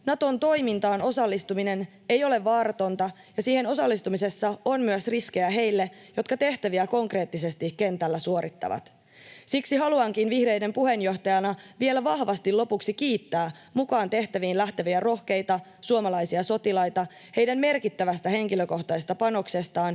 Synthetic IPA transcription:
nɑt̪o̞nt̪o̞jmint̪ɑːno̞sɑlːist̪umine̞n | e̞jo̞le̞ʋːɑːɾɑt̪o̞nt̪ɑ | jɑsiːhe̞no̞sɑlːist̪umise̞sːɑonmyøsrisk̟e̞jæɦe̞jlːe̞ | jo̞t̪kɑt̪e̞ht̪æʋiæko̞ŋkre̞ːt̪ːis̬e̞st̪ike̞nt̪ælːæsuo̞ɾit̪ːɑ̰ʋɑ̰t̪ | siksiɦɑluɑŋkinʋihre̞jde̞mpuɦe̞njo̞ht̪ɑjɑnɑʋie̞læʋɑhʋɑst̪ilo̞puksik̟iːt̪ːæː | mukɑːnt̪e̞ht̪æʋiːnlæht̪æʋiæro̞hk̟e̞jt̪ɑ | suomɑlɑjsiɑso̞t̪ilɑjt̪ɑ | he̞jdæmme̞rkit̪ːæʋæst̪æɦe̞ŋkiløko̞ht̪ɑsest̪ɑpɑno̞kse̞st̪ɑːn

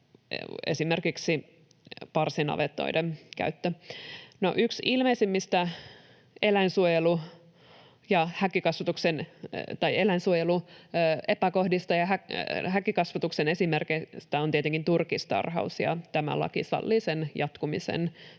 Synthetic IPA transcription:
ḛsimerkiksi | pɑrsinɑ̰ʋet̪ːo̰idemkæ̰yt̪ːøno̰ʔyksilmeisimːist̪æ | elæinsuojelu | jɑhækikɑsʋɑt̪uksent̪ɑielæinsuojeluː | epæko̞hdist̪ɑjɑɦæhækikɑsʋɑt̪uksenesimerkest̪æont̪iet̪eŋkint̪urkist̪ɑ̰rɦɑ̰usjɑ̰t̪æmæ̰lɑ̰kḭsɑ̰lːiːsenjɑt̪kumisḛn

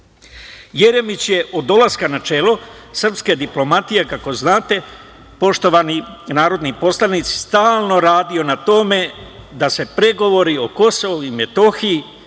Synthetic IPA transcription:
je̞ɾe̞mit͡ɕje̞ʔod̪o̞laskanat͡ʃe̞ːlo̞sr̩pske̞d̪iplo̞mat̪ije̞kako̞znaːt̪e̞ | po̞ʃt̪o̞ʋaninaːɾo̞d̪nipo̞slanit̪si̥st̪aːlˠno̞ɾaːd̪io̞nat̪o̞me̞ | d̪ase̞pɾe̞ɡo̞ʋo̞ɾio̞ko̞so̞ʋuime̞t̪o̞xiji

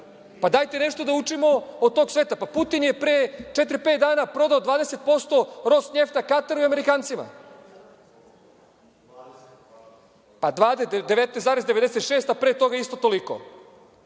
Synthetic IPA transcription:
pad̪ajt̪ene̞ʂt̪o̞d̪aut͡ʂimo̞od̪̚t̪o̞ɡsʋeːt̪apaput̪inje̞pɾet͡ʃet̪ɾipe̞ːt̪̚d̪aːnapɾo̞d̪aod̪ʋaːd̪ese̞t̪̚po̞st̪o̞ɾo̞sɲe̞ft̪akat̪aɾuiame̞ɾikaːnt̪sima̰ | pad̪ʋaːd̪ed̪eʋet̪nesaːɾezd̪e̞ʋed̪eset̪ʃeːst̪apɾeːt̪o̞ɡaist̪ot̪o̞liko̰

